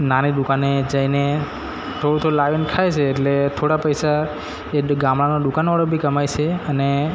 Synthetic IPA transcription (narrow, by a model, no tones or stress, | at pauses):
nanid̪ʊkaned͡ʒaine | t̪ʰoɽot̪ʰoɽolaʋinkʰajt͡ʃʰeːʈlet̪ʰoɽapəjsa | eɡamɽanoɗukanɔɽobʱikəmajt͡ʃʰeəne